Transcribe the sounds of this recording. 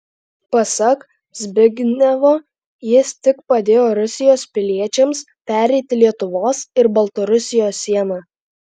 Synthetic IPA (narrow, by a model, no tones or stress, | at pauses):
pɐsɐk | zʲbʲɪɡʲnʲɛʋoː | jɪst̪ʲɪkpɐd̪ʲeːjoːɾʊsʲɪjoːspʲɪlʲiɛt͡ʃʲɛms | pʲæːɾʲɛɪt̪ʲɪlʲiɛt̪ʊʋoːsɪɾbɐlˠt̪ɐɾʊsʲɪjoːsːʲiɛnɑ